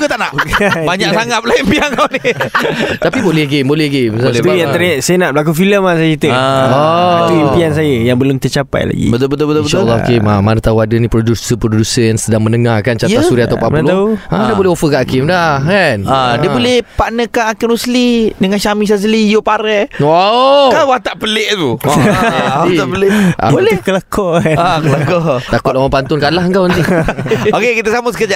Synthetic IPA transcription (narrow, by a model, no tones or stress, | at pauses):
kət̪aʔnaʔkbaɲaksaŋat̪̚pəlajəmpiaŋkawni | t̪apibolɛhɡembolɛhɡemsaɛt̪ujat̪əɾaʔsajənaʔbəlak̬ufiləmasait̪əaɔit̪uimpians̬ajəjaŋbəlʊmt̪ət͡ʃapa̰jla̰ɡḭbət̪ʊlbət̪ʊlbət̪ʊbətʃlːaa̰kɪmamanət̪auadənĩpɾodusəpɾodusəansədaŋmənəŋakant͡ʃat̪asuɾiat̪awpaalauãdibolɛɦofəkaʔakɪmdahkanadiəbolɛhpaʔnəkanakɪmuslidəŋanʃamĩs̬as̬əlijopaɾɛwakawat̪aʔpəleʔt̪u | iapəleʔa̰bolɛkəlakɔakəlakɔt̪akʊt̪̚lamapant̪ʊnkalaɦəŋkawənt̪i | okekit̪əsaməsəkəd͡ʒaʔ